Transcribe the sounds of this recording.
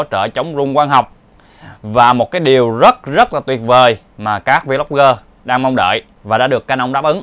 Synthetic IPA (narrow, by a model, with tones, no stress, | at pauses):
t͡ɕəː˧˩t͡ɕə˨˦wŋ͡mzʊ˧ŋ͡mkwaː˧nɦa˨˩wk͡p̚ | vaː˨˩mo˨˩t̚kaː˨˦jɗi˨˩əwzə˦˥t̚zə˦˥t̚laː˨˩t̪wi˨˩ət̚vəː˨˩j | maː˨˩kaː˦˥k̚vi˧˦la˦˥k͡p̚ɣəː˧ | ɗaː˧ŋma˧wŋ͡mɗə̰ː˧˨j | vaː˨˩ɗa̰ː˧˥ɗɨ˨˩əkːaː˨˥nʔə˧wŋ͡mɗaː˦˥pʔɨ˨˦ŋ